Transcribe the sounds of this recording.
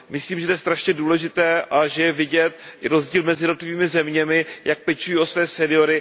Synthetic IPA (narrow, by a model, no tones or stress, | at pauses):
mɪsliːmʒɛt̪ojɛːst̪ɾaʃɲɛduːlɛʒɪt̪ɛːʔaʒɛjɛvɪɟɛt̪ɪɾozɟiːlmɛzɪjɛdnot̪lɪviːmɪzɛmɲɛmɪjak̚pɛt͡ʃujiːʔo̞svɛːsɛnɪo̞ɾɪ